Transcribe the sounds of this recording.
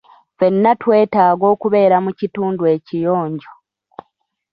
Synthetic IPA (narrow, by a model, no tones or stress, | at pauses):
fe̞nːatwe̞ːtaːɡo̞ːkuβe̞ːɾamucituːndwe̞ːcijo̞ːɲɟo